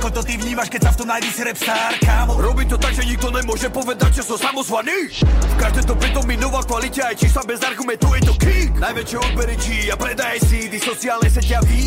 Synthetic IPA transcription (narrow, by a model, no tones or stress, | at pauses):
kɔt̪ɔt̪ivɲiːmaʃkɛcʲsaft̪ɔmnajisiɾɛpsaɾkaːmɔɾɔbimt̪ɔt̪aɡʒɛɲiɡ̚d̪ɔnɛmwɔʒɛpɔvɛd̪ac̚t͡ʃɔsɔsamɔzvanifkaʒd̪ɛmt̪ɔbɛt̪ɔminɔvakvalicɛajt͡ʃisabɛzaɾɡumɛnt̪ujɛt̪ɔkiknajvɛt͡ʃjɛɔpɛɾɛt͡ʃiapɾɛd̪ajɛsid̪isɔt͡siaːlnɛjs̬ɛcɛavi